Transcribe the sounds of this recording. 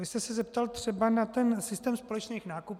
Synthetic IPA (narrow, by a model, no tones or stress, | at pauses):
ɪst̪ɛsɛzɛpt̪alt̪r̥ɛbanat̪ɛnsɪst̪ɛːmspo̞lɛt͡ʃniːxnaːkup